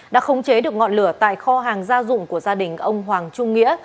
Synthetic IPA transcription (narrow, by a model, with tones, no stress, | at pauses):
ɗa̰ː˧˥xə˨˦wŋ͡mt͡ɕe˨˦ɗɨ˨˩ək̚ŋɔ̰˧˨nlɨ˧˩ət̪a̰ː˧˨jxɔ˧ɦaː˨˩ŋzaː˧zʊ̰˧˨ŋ͡mku˧˩əzaː˧ɗï˨˩ŋ̟ʔə˧wŋ͡mɦwaː˨˩ŋt͡ɕʊ˧ŋ͡mŋḭ˧˥ə